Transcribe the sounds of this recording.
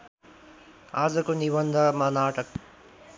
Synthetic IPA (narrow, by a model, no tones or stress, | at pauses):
aːd͡zʌkonibʌnd̪ʱamanaːʈʌk̚